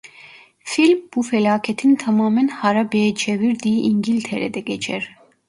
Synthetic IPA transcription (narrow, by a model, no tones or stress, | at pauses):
filmbufɛlaːkʰɛt̪ʰint̪ʰamaːmɛnhaɾabɛːd͡ʒɛviɾd̪iʔiŋɡilt̪ʰɛɾɛd̪ɛɡɛt͡ʃʰɛɾ